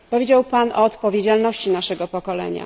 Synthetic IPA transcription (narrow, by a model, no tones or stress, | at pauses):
pɔvʲjed͡ʑawpanʔɔːt̪pɔvʲjed͡ʑalnɔɕt͡ɕinaʂɛɡɔpɔkɔlɛ̰ɲa̰